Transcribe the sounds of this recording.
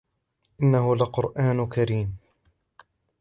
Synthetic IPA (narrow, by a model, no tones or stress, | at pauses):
ʔɪnːaɦʊlaqʊɾʔaːnkaɾiːm